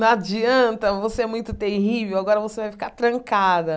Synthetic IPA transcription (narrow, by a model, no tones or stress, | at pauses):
nɐad͡ʒiɐ̃nt̪ɐvoseɛmũj̃t̪ʊt̪eɦivewaɡɔɾɐvosevajfi̥kaɾt̪ɾɐ̃ŋkad̪ɐ